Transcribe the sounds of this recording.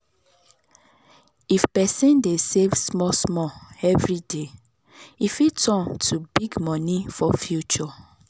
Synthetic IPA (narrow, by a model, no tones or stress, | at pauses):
ifpɛsĩndesevsmɔsmɔɛvɹide | ifitʰɔ̃ntʰubiɡmɔnifɔfjut͡ʃɔ